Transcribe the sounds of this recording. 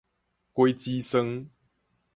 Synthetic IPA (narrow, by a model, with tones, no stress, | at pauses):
kwe˦jt͡ɕi˦sə˧ŋ